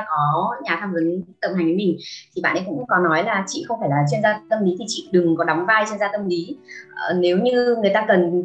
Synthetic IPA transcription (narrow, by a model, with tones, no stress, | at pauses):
kɔ˨˦ɲaː˨˩t̪ʰaː˧mvə˨˦nt̪ə˧˩ŋ͡mha˨˩ŋ̟və˨˦mï˨˩ŋ̟t̪ʰi˨˩ɓa̰˧˨ʔɗə˧ŋkʊ̰˧˥ŋ͡mŋ͡mkɔ˨˦nɔ˨˦jlaː˨˩t͡ɕḭ˧˨xə˧wŋ͡mfaː˧˩jlaː˨˩t͡ɕe˧nzaː˧t̪ə˧mli˨˦t̪ʰi˨˩t͡ɕḭ˧˨ɗɨ˨˩ŋkɔ˨˦ɗa˨˦wŋ͡mvaː˧jt͡ɕe˧nzaː˧t̪ə˧mli˨˦˨ne˨˦wɲɨ˧ŋɨ˨˩jt̪aː˧kə˨˩n